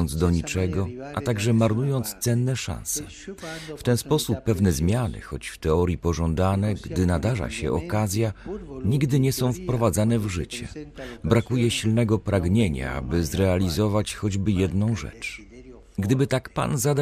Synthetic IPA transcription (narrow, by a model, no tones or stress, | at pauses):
nd̪zd̪ɔɲit͡ʂɛɡɔʔa̰t̪aɡʐɛmaɾnujɔnt̪st̪sɛnːɛʂã̰nsɛ | ft̪ɛnspɔsupːɛvnɛzmʲjanɘ̰xɔ̰t͡ɕft̪ɛɔɾʲjipɔʐɔnd̪anɛɡd̪ɘnad̪aʐa̰ɕɛ̰ʔɔ̰kazʲjaɲiɡd̪ɘɲɛsɔ̃w̃fpɾɔvad̪zanɛvʐɘ̰t͡ɕɛ̰bɾakujɛɕilnɛɡɔpɾaɡɲeɲa̰a̰bɘzɾɛalʲizɔvat͡ɕxɔd͡ʑbɘjɛd̪nɔ̃w̃ʐɛ̰t͡ʂ | ɡd̪ɘbɘt̪akpa̰nzad̪